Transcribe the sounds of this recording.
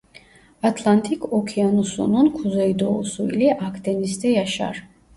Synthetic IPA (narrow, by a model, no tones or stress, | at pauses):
at̪ʰlˠant̪ʰikʰɔkʰianusɔ̰nunkʰuzɛid̪ɔsuḭliʔakʰd̪ɛnisd̪ɛjaʃa̰ɾ